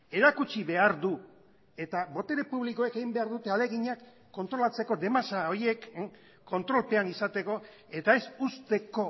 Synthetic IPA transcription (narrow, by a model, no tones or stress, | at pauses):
e̞ɾakut͡ʃiβe̞aɾd̪u | e̞t̪aβo̞t̪e̞ɾe̞puβliko̞ekeɣimbe̞aɾðut̪e̞ale̞ɣiɲakː | o̞nt̪ɾo̞lat͡se̞ko̞d̪e̞masao̞ɾje̞kː | o̞nt̪ɾo̞lpe̞anisat̪e̞ko̞ | e̞t̪ae̞sust̪e̞ko̞